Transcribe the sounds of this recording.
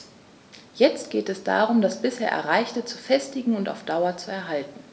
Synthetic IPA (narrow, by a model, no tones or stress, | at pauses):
jɛt͡stɡ̥eːtɛsd̥a̰ːʁʊmdasb̥ɪsheːɐʔɛ̰ɐʁaɪçtət͡sufɛstɪɡŋ̩ʊnta̰ʊfd̥aʊɐt͡suɛɐɦaltn̩